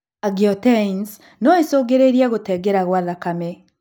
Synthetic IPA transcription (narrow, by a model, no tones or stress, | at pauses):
aɣiɔtɛns | nɔesoːɡeɾeɾiɛɣotɛɡeɾaɣwaðakamɛ